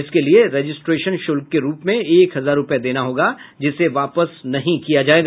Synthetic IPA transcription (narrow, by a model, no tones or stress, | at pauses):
ɪskelieɾeːd͡ʒɪsʈɾeːʃənʃʊlk̚keɾuːpmẽeːkɦɐzaːɾːʊpjed̪eːnaɦoːɡad͡ʒɪseʋaːpəsnɐɦĩkijad͡ʒaːeːɡaː